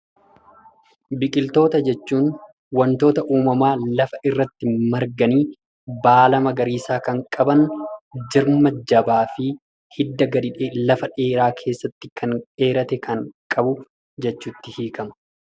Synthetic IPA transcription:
bɪkʼɪlt̪o̞ːt̪ɐd͡ʒɛt͡ʃːuːn | wɐnt̪o̞ːt̪ɐʔuːmɐmaːlɐfɐʔɪrːɐt̪ːɪmɐɾɡɐniː | baːlɐmɐɡɐɾiːsaːkɐŋkʼɐbɐnd͡ʒɪɾmɐd͡ʒɐbaːfɪ | hɪd̪ːɐɡɐd̪ɪᶑelɐfɐᶑe̞ːɾaːkʰe̞ːsːɐt̪ːɪkʰɐnᶑe̞ːɾɐt̪ɛkɐŋkʼɐbʊ | d͡ʒɛt͡ʃːuːt̪ːɪhiːkɐmɐ̥

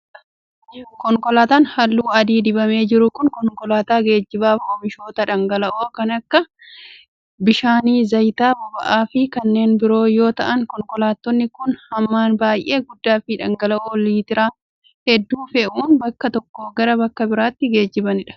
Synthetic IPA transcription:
kɔŋkɔlaːt̪aːnhɐlːuːɐd̪iːd̪ɪbɐme̞ːd͡ʒɪɾʊkʊnkɔŋkɔlaːt̪aːɡe̞ːd͡ʒːɪbaːfoːmɪʃo̞ːt̪ɐᶑɐŋɡɐlɐʔoːkɐnɐkːɐ | bɪʃaːniːzɐjt̪aːbɐbɐʔaːfɪkɐnːe̞ːnbɪɾo̞ːjo̞ːt̪ɐʔɐŋkɔŋkɔlaːt̪ːɔnːɪkʊnhɐmːaːnbaːjʔe̞ːɡʊd̪ːaːfɪᶑɐŋɡɐlɐʔoːliːt̪ɪɾaː | hɛd̪ːuːfɛʔuːnbɐkːɐt̪ɔkːo̞ːɡɐɾɐbɐkːɐbɪɾaːt̪ːɪɡe̞ːd͡ʒːɪbɐnɪᶑɐ̥

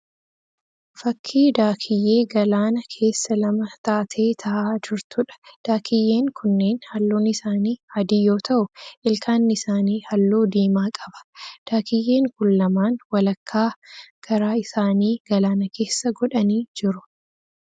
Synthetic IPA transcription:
fɐkʰːiːd̪aːkʰɪjːe̞ːɡɐlaːnɐkʰe̞ːsːɐlɐmɐt̪aːt̪ʰe̞ːt̪ʰɐʔaːd͡ʒɪɾt̪ʊᶑɐ̥d̪̥aːkʰɪjːe̞ːŋkʰʊnːe̞ːnhɐlːoːnɪsaːniːhɐd̪ijo̞ːt̪ɐʔʊʔɪlkʰaːnːɪsaːniːhɐlːoːd̪iːmaːkʼɐ̥bɐ̥d̪̥aːkʰɪjːe̞ːŋkʊlːɐmaːnwɐlɐkʰːaːɡ̥ɐɾaːɪsaːniːɡ̥ɐlaːnɐke̞ːsːɐɡɔᶑɐniːd͡ʒɪɾʊ̥

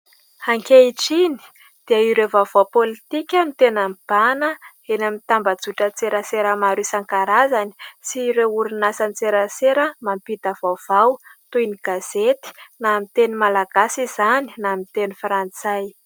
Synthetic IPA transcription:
haŋkʲeiʈ͡ʂini̥ | d̪̥eəiɾevav̥awpolit̪ikʲamit̪enamb̥anə | enamit̪ambəd͡zuʈ͡ʂət͡seɾəseɾəmaɾisaŋkaɾazani̥siɾeuɾinasanit͡seɾəseɾəmampid̪avav̥awt̪ujniɡ̥az̥et̪i̥namit̪enimalaɡ̥asizaninamit̪enifɾant͡saj

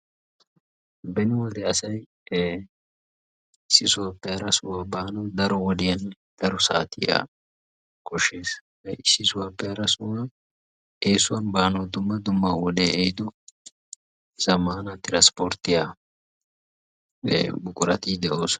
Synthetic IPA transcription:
bɛnɪwɔd̪ɛɐsɐj | ɪsːɪsʊwɐpːɛɐɾɐsʊwaːbaːnɔd̪ɐɾɔwɔd̪ɪjɐn | d̪̥ɐɾɔsa̰ːt̪ɪja̰ː | kɔʃːe̞ːs | ɪsːɪsʊwapːɛɐɾɐsʊwa | eːsʊwɐnbaːnɔd̪ʊmːɐd̪ʊmːaːwɔd̪eʔɛjd̪ɔ | z̥ɐmaːnɐt̪ɪɾɐnspɔɾt̪ːɪjaː | bʊkʼʊɾɐ̰t̪iːd̪ɛʔoːs

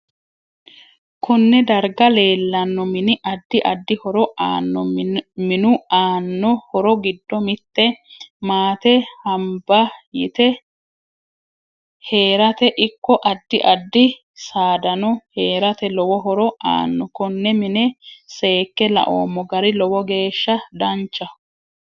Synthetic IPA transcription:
kʰʊnːɛd̪ɐɾɡɐle̞ːlːɐnːɔmɪnɪʔɐd̪ːɪʔɐd̪ːɪhɔɾɔʔaːnːɔmɪnʊaːnːɔhɔɾɔɡɪd̪ːɔmɪt̪ːɛmaːt̪ɛhɐmbɐjɪt̪ɛ | he̞ːɾɐt̪ɛʔɪkːɔʔɐd̪ːɪʔɐd̪ːɪ | saːd̪ɐnɔhe̞ːɾɐt̪ɛlɔwɔɦɔɾɔʔa̰ːnːɔkɔnːɛmɪnɛse̞ːkːɛlɐ̰ʔo̰ːmːɔɡɐɾɪlɔwɔɡe̞ːʃːɐd̪ɐnt͡ʃːɐ

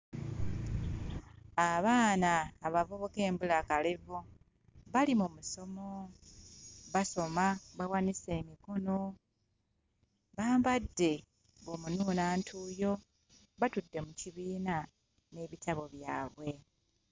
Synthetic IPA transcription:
aβaːnaːβavo̞βo̞ke̞ːmbulakalevo | βalimumuso̞mo̞ | βaso̞maβawanise̞ːmiko̞no̞ | βaːmbadːe̞ | βomunuːnaːntʰuːjo̞ | βatudːe̞muciβiːna | ne̞βitaβo̞βjaːβwe̞

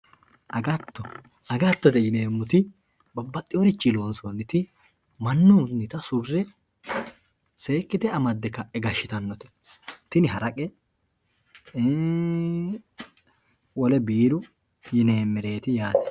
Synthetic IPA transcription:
ʔɐɡɐt̪ːɔ | ɐɡɐt̪ːɔd̪ɛjɪneːmːʊt̪ɪ | bɐbːɐt̪ʼːɪjoɾɪt͡ʃːɪlo̞ːnsɔnːɪt̪ɪ | mɐnːunɪt̪ɐsʊrːɛ | se̞ːkːɪd̪ɛɐmɐd̪ːɛkːɐɛɡɐʃːɪt̪ɐnːɔt̪ɛ̥ | t̪ɪnɪɦɐɾɐkʼɛ | wɔlɛbiːɾʊ | jɪne̞ːmːɛɾe̞ːt̪ɪjaːd̪ɛ

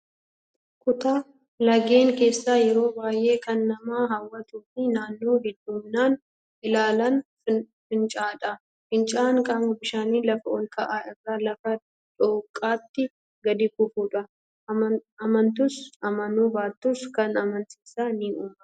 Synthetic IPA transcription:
kʊt̪aː | lɐɡe̞ːŋke̞ːsːaːjɛɾo̞ːbaːjʔe̞ːkɐnːɐmaːɦɐwːɐt̪uːfɪnaːnːo̞ːɦɛd̪ːuːmnaːn | ʔɪlaːlɐn | fɪnt͡ʃʼaːᶑɐ | fɪnt͡ʃʼaːŋkʼamʊbɪʃaːniːlɐfɐʔɔŋkʰɐʔaːɪrːaːlɐfɐ | ᶑʼoːkʼːaːt̪ːɪ | ɡɐd̪ɪkʊfuːᶑɐ | ɐmɐnt̪ʊsɐmɐnuːbaːt̪ːuskɐnɐmɐnt̪iːsaːnɪuːʔɐ̥

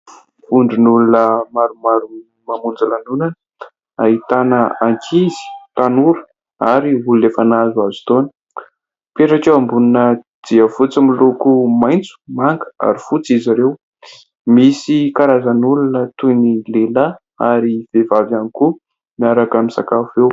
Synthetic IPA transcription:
fuɳɖ͡ʐinulunəmaɾumaɾu | mamund͡zalanunanə | aɦit̪anəaŋkʰizi̥t̪anuɾu̥ | aɾiululefanazuazu̥t̪onə̥ | peʈ͡ʂakewambununə | d̪̥iəfut͡similokumajnt͡su̥maŋɡə̥a̰ɾifut͡sizaɾew | misikaɾazanulunət̪unilela | aɾiv̥evavaniku | miaɾakamisa̰kafew

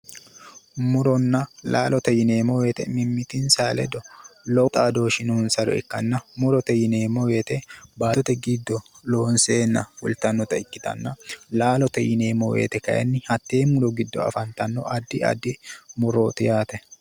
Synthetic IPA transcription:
mʊɾɔnːɐlʔaːlɔt̪ɐjɪneːmɔweːt̪ɛmɪmːɪt̪ɪnsaːlɛd̪ɔlɔt̪ʼaːd̪o̞ːʃɪnʊnsɐɾɔ̰ɛ̰kːɐnːɐmʊɾɔt̪ɐjɪneːmɔweːt̪ɛbaːɔt̪ɛɡɪd̪ːɔloːnseːnːɐwʊ̰lt̪ɐnːɔt̪ɐɪkːɪt̪ɐ̰nːɐlaːlɔt̪ɛjɪne̞ːmːɔwḛːt̪ɛkɐʔɐ̰nːɪhɐt̪ːe̞ːmmːʊɾɔɡɪd̪ːɔ̰ɐ̰fɐnt̪ɐnːɔ̰ʔɐd̪ːɪɐ̰d̪ːɪmʊɾoːt̪ɪjaːt̪ɛ

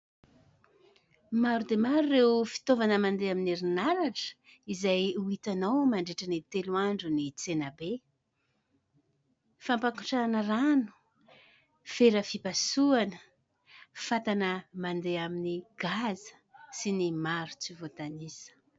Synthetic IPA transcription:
maɾud̪emaɾuːewfi̥t̪ovanəmand̪eamineɾinaɾaʈ͡ʂə̥ | izajuit̪anawmaɳɖ͡ʐeʈ͡ʂənit̪eluaɳɖ͡ʐunit͡senabe | fampakuʈ͡ʂanəranu̥ | feɾəfipasuanə | fat̪anəmand̪eaminiɡ̥azə̥ | sinimaɾu̥t͡sivot̪anisə̥

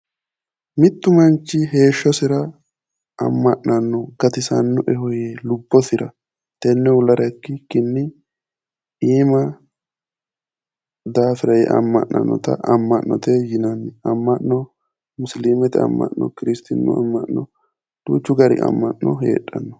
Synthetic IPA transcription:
mɪt̪ːʊmɐnt͡ʃːɪɦe̞ːʃːɔsɪɾɐ | ɐ̰mːɐʔnɐnːɔɡɐt̪ɪsɐnːʊʔɛhɔjelʊbːɔsɪɾɐ | t̪ɛnːɛʊlɐɾɐkːɪkːɪnːɪ | iːmɐ | d̪aːfɪɾɐjɛ̰ʔɐ̰mːɐ̰ʔːɐ̰nːɔ̰t̪ɐ̰ʔɐmːɐʔːɔt̪ɛjɪnɐnːɐmːɐʔːɔ | mʊsliːmɛt̪ɛɐ̰mːɐ̰ʔːɔ̰kɪɾɪst̪ɪnːʊ̰ɐ̰mːɐʔnɔ | d̪̥ṵːt͡ʃːʊɡɐɾɪ̰ʔɐ̰mːɐʔːɔɦḛːᶑːɐnːɔ

